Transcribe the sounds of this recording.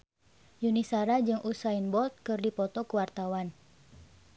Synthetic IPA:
junisaɾad͡ʒɨŋʔusainbɔlt̪̚kɨrdipɔt̪ɔkuwart̪awan

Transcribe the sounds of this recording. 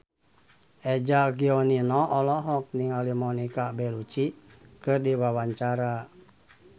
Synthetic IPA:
ʔɛd͡ʒaɡiɔninɔʔɔlɔɦɔk̚niŋalimɔnikabɛlut͡ʃikɨrdiwawaɲt͡ʃaɾa

